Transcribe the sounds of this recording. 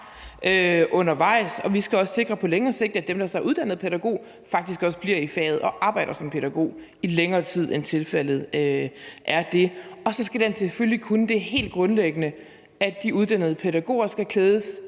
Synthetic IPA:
ʔøʔɔ̽nɐʋɑ̈ɪ̰sɒ̽ʋisɡ̥æɒ̽sse̝ɡ̥ʁɐpʰɒ̽leŋɐːse̝ɡ̥̚d̥æd̥emd̥ɑ̈sɑʔuðˠd̥æn̰ð̞̩ˠpʰeɾæɡ̥o̝̰ː | fɑ̈ɡ̥d̥isɡ̥ɒ̽sb̥liɐifɛ̰ːð̞̩ˠɒ̽ʔɑ̈ːb̥ɑ̈ɪ̰ɾ̥ɐsɒ̽mpʰe̝ɾæɡ̥o̝̰ː | ileŋɐːt͡sʰið̞̰ˠent͡sʰe̝lfæl̰ð̞̩ˠøʔæɐd̥e̝ɒ̽sɒ̽sɡ̥æd̥enseføllikʰunəd̥e̝he̝̰ːld̥̚ɡ̥ʁɔ̽nleɡ̥ənə | ædd̥iuð̞ˠd̥æn̰ð̩ˠpʰe̝ɾæɡ̥o̝̰ːɐsɡ̥ækʰleːð̞ˠəs

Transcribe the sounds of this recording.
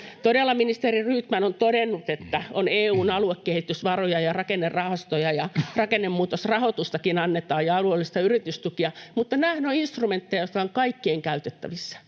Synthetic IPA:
t̪odelːɑminist̪eriryːt̪mænont̪odenːut̪et̪ːæoneːuːnɑluekːehit̪ysʋɑrojɑjɑrɑkenːerrɑhɑst̪ojɑjɑrɑkenːemːmuːt̪osrɑhot̪ust̪ɑkinɑnːet̪ɑːjjɑɑluelːist̪ɑyrit̪yst̪ukiɑmut̪ːɑnæhnøːinst̪rument̪ːejɑjot̪kɑoŋkɑikːieːŋkæyt̪et̪ːæ̰ʋisːɑ̥

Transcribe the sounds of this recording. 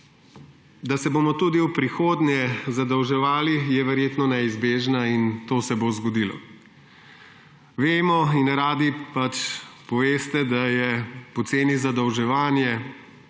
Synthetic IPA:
d̪asɛboːmɔt̪ud̪iwpɾixoːd̪nɛzad̪ɔwʒɛʋaːlijɛʋɛɾjeːt̪nɔnɛizbeːʒnaint̪oːsɛbozɡɔd̪ilɔ̰ | ʋeːmɔinɾaːd̪ipat͡ʃpɔʋeːst̪ɛd̪ajɛpɔt̪seːnizad̪ɔwʒɛʋaːnjɛ

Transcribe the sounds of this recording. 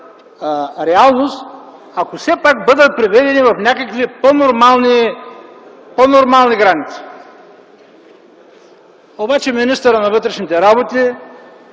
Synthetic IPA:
ɾɛalˠnost̪ | akosɛpak̚bɤd̪ət̪̚pɾivɛd̪ɛnivɐfnʲakəkviponoɾmalˠni | ponoɾmalˠniɡɾanit̪si̥ | obat͡ʃɛminist̪əɾənɐvɤt̪ɾɛʃnit̪ɛɾabot̪i

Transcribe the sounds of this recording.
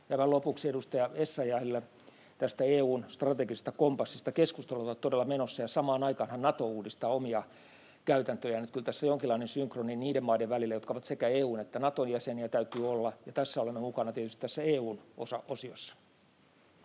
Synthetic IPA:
jɑʋɑlopuksiedust̪ɑjɑesːɑjɑelːæ | t̪æst̪æeːuːnst̪rɑt̪eɡise̥st̪ɑkompɑsːist̪ɑkeskust̪elːɑotːɑt̪t̪odelːɑmenosːɑjɑsɑmɑːnɑikɑːnhɑnnɑt̪ouːdist̪ɑːomiɑ | kæyt̪ænt̪øjænyt̪̚kylt̪æsːæjoŋkilːˑɑinensyŋkroninniːdemmɑideʋʋælilːæjot̪kɑoʋɑt̪sekæeːuːnet̪ːænɑt̪onjæseniæt̪æyt̪yːolːɑjɑt̪æsːæolemːemukɑnɑt̪iet̪yst̪t̪æsːæeːuːno̰sɑʔosiosːɑ̥

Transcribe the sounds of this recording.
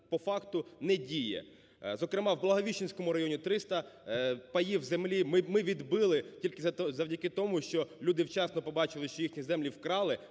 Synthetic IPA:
pɔfɑkt̪ʊnɛdʲijɛ̰ | zɔkɾɪmɑwblˠɐɦɔʋʲiʃt͡ʃɪnʲsʲkɔmʊɾɐjɔnʲit̪ɾɪst̪ɐpɐjiwzemlʲimɪmɪʋʲid̪bɪlˠɪtʲilʲkɪzɐwdʲɐkɪt̪ɔmuʃt͡ʃɔlʲud̪ɪwt͡ʃɑsnɔpɔbɑt͡ʃɪlˠɪʃt͡ʃɔjixnʲizɛmlʲiwkɾɑlˠɪ

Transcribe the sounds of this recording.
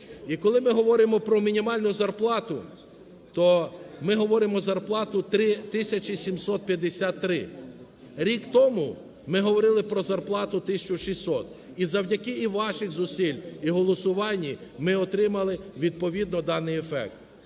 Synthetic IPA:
ikɔlˠɪmɪɦɔʋɔɾɪmɔpɾɔmʲinʲimɑlʲnʊzɐrplˠɑt̪ʊ | t̪ɔmɪɦɔʋɔɾɪmɔzɐrplˠɑt̪ʊt̪ɾɪt̪ɪsʲɐt͡ʃisʲimsɔt̪̚pʲjɐd̪esʲat̪ːɾɪ | ɾʲikt̪ɔmʊ | mɪɦɔʋɔɾɪlˠɪpɾɔzɐrplˠɑt̪ʊt̪ɪsʲt͡ʃʊʃisʲɔt̪ | izɐwdʲɐkɪiʋɑʃɪxzʊsʲilʲiɦɔlˠɔsʊʋɑnʲːimɪɔt̪ɾɪmɐlˠɪʋʲid̪̚pɔʋʲid̪nɔd̪ɑnɪjefɛ̰k̚t̪

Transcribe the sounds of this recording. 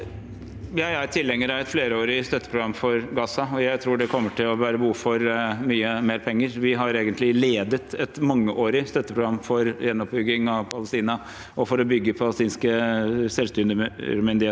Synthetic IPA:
jæɪæt̪ʰɪlːɛŋːəɾæɾɛt̪fleːɾəoːɾɪst̪œt̪ːəpʰɾʊɡɾɑmːfɔɾɡɑːsɑɔjæɪt̪ʰɾuːɖɛkʰɔmːəʈʰɪlɔʋæːɾəbuːfɔɾmyːəmeːɾpʰɛŋːəɾʋɪɦɑɾeːɡənt̪lɪleːd̪ət̪ɛt̪mɑŋːəʔoːɾɪst̪œt̪ːəpɾʊɡɾɑmːfɔɾjɛnːɔp̚bʏɡːɪŋɑʋpʰɑləst̪iːnɑ | ʔɔfɔɾɔbʏɡːəpʰɑləst̪iːnskəsɛlst̪ʏːnɾmʏnd̪ɪheː

